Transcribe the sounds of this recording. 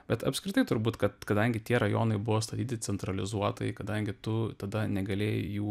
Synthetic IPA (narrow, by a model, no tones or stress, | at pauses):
bʲɛt̪ɐ̰pʲsʲkɾʲɪt̪ɐɪt̪ʊɾbuːt̪kɐt̪kɐd̪ɐŋʲɡʲɪt̪ʲiɛɾɐjoːnɐɪbʊʋoːst̪ɐt̪ʲiːt̪ʲɪt͡ssʲɛnt̪ɾɐlʲɪzuɔt̪ɐɪkɐd̪ɐŋʲɡʲɪt̪ʊt̪ɐd̪ɐnʲɛɡɐlʲeːjjuː